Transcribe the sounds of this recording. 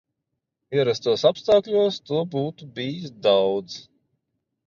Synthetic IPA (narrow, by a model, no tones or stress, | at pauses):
iɛɾast̪uɔsapst̪aːkʎʲuɔst̪uɔbuːt̪ubiːis̬d̪awd̪z